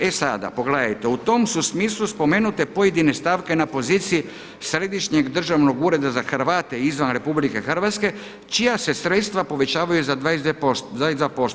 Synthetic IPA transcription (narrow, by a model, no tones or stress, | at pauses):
esad̪a̰poɡled̪ajt̪e̞ut̪o̞msusmiːslˠuspo̞me̞nut̪e̞po̞je̞d̪inest̪aːʋke̞napo̞ziːt̪siji | sɾed̪iʃɲeɡd̪r̩ʒaʋno̞ɡuːɾe̞d̪azaxrɾʋaːt̪eizʋanɾe̞publike̞xr̩ʋat̪ske̞ | t͡ʃijase̞sɾe̞t̪st̪ʋapo̞ʋe̞t͡ɕaːʋajuzad̪aoaed̪ʋapo̞st̪